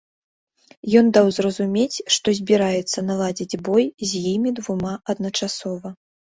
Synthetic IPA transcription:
jɔnd̪awzrɐzumʲet͡sʲʂt̪ɔzʲbʲiɾajɛt̪sːɐnalˠad͡zʲid͡zʲbɔjzʲjimʲid̪vumaʔɐd̪̚nɐt͡ʂasɔvɐ

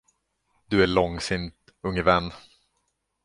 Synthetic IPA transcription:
d̪ɵæɭɔŋsɪnt̪ | ɵŋːəvɛnː

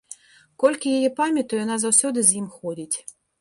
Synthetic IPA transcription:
kɔlʲkʲijejɛpamʲɐt̪ɔjɔnazɐwsʲɔd̪ɨzʲjimxɔdʲitʲ

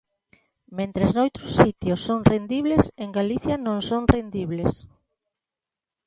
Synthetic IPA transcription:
mẽnt̪ɾeznowt̪ɾʊsːit̪josːoŋrend̪iβleseŋɡaliθjanõŋsoŋrend̪iβles

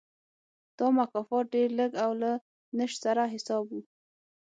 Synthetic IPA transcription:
d̪̥ɑmakɑfɑt̪̚ɖeɾləɡawla | nəʃsaɾaɦɪsɑbwu

